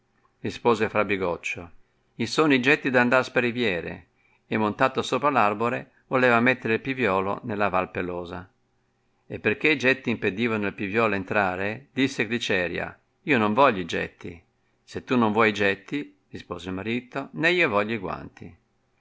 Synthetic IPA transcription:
rispoːzefɾabiɡɔt͡ʃːo | isoːnid͡ʒɛt̪ːid̪and̪aɾspeɾivjɛːɾḛː | mːont̪aːt̪osoːpɾalarboɾe | voleːvamet̪ːeɾeilpivjɔːlo̰nelːavalpelɔːza | epːerk̟eid͡ʒɛt̪ːiimped̪iːvanoilpivjɔːloent̪ɾaːɾed̪isːekɾit͡ʃɛːɾja̰ | iːonoɱvɔʎːoid͡ʒɛ̰t̪ːḭ | set̪ːunːoɱvwɔjid͡ʒɛt̪ːi | rispoːzelmaɾiːt̪ːonɛiːovɔʎːiɡwa̰nt̪ḭ

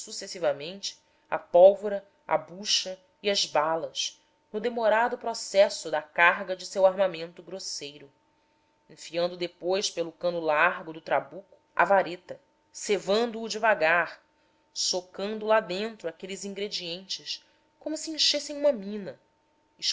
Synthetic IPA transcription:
susesivɐmẽnt͡ʃɪ̥ | ɐ̰pɔwvoɾɐ | ɐ̰buʃɐ | iɐzbalɐʃ | nʊd̪emoɾad̪ʊpɾɔsɛsʊd̪ɐkaɦɡɐd͡ʒɪsewaɾmamẽnt̪ʊɡɾosejɾʊ | ẽfiɐ̃nd̪ʊd̪epojʃpelʊkɐ̃nʊlaɾɡʊd̪ʊt̪ɾabukʊ̥ʔɐ̰vaɾet̪ɐ | sevɐ̃nd̪ʊːd͡ʒɪvaɡaɾ | sokɐ̃nd̪ʊlad̪ẽnt̪ɾʊakelɪzĩŋɡɾed͡ʒiẽnt͡ʃɪʃ | kõmʊsiẽʃesẽj̃ũmɐmĩnɐ | iʃ

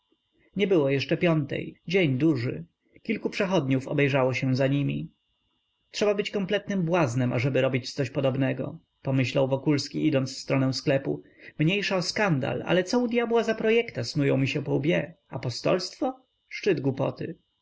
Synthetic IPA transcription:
ɲɛbɘwɔjɛʂt͡ʂɛpʲjɔnt̪ɛ̰jd͡ʑeɲd̪uʐɘ̰ | kʲilkupʂɛxɔd̪ɲufɔ̰bɛjʐawɔɕɛ̃zaɲimʲḭ | tʂɛbabɘt͡ɕkɔmplɛt̪nɘmbwaznɛmʔa̰ʐɛbɘɾɔbʲit͡ɕt̪sɔɕpɔd̪ɔbnɛɡɔ̰ | pɔmɘɕlawvɔkulskʲiid̪ɔnt̪sfst̪ɾɔnɛw̃sklɛpu | mɲejʂaɔskand̪a̰la̰lɛt̪sɔud̪ʲjabwazapɾɔjɛkt̪asnujɔ̃w̃mʲiɕɛpɔubʲjɛapɔst̪ɔ̰lst̪fɔ | ʂt͡ʂɘd̪ɡwupɔ̰t̪ɘ̰

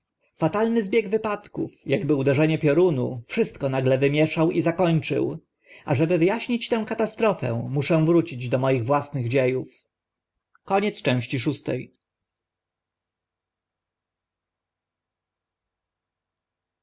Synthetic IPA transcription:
fat̪alnɘzbʲjeɡvɘpat̪kṵfjaɡbɘud̪ɛʐɛɲɛpʲjɔɾunṵfʂɘst̪kɔnaɡlɛvɘmʲjɛʂawizakɔɲt͡ʂɘ̰w | aʐɛbɘvɘjaɕɲit͡ɕt̪ɛ̃w̃kat̪ast̪ɾɔfɛ̰̃muʂɛ̃vɾut͡ɕid͡ʑd̪ɔmɔjiɣvwasnɘɣd͡ʑejuf | kɔɲɛt̪st͡ʂɛ̃w̃ɕt͡ɕiʂust̪ɛ̰j

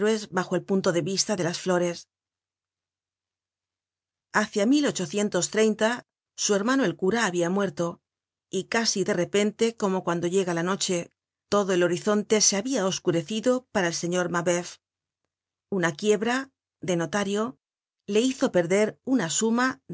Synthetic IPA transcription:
ɾwe̞zβaxo̞e̞lpunt̪o̞ðe̞βist̪aðe̞lasflo̞ɾe̞s | aθjamilo̞t͡ʃo̞θje̞nt̪o̞st̪ɾe̞jnt̪a | sue̞ɾmano̞e̞lkuɾaːβiamwe̞ɾt̪o̞ | ikasiðe̞re̞pe̞nt̪e̞ko̞mo̞kwand̪o̞ʝe̞ɣalano̞t͡ʃe̞ | t̪o̞ðo̞e̞lo̞ɾiθo̞nt̪e̞seaβiao̞skuɾe̞θiðo̞paɾaelse̞ɲo̞ɾmaβe̞f | unakje̞βɾa | ðe̞no̞t̪aɾjo̞ | le̞iθo̞pe̞ɾðe̞ɾunasuma

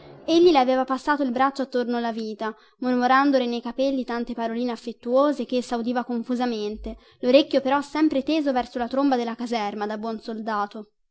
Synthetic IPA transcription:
eʎːileaveːvapasːaːt̪oilbɾat͡ʃːoat̪ːornoalaviːt̪a | mormoɾand̪olenejkapelːit̪ant̪epaɾoliːneafːet̪ːuoːzekesawd̪iːvakoɱfuzament̪e | loɾekʲːjopeɾɔsːɛmpɾet̪eːzovɛrsolat̪ɾombad̪elːakazɛrmad̪abwɔnsold̪aːt̪o

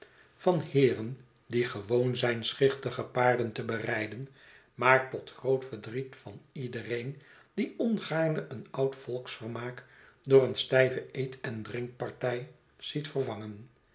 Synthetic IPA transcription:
vɑnhɪːrən | diχəʋownzɛjnsχɪχtəχəpaːɹdəntəbərɛjdən | maːɹtɔtχrowtfəɹdritfɑnidərejn | d̥iɔnχaːɹnəʔənɑwtfɔlˠksfəɹmaːkdʊːrənstɛjvəejtʰɛndrɪŋk̚pɑɹtɛj | z̥itfəɹvɑŋən

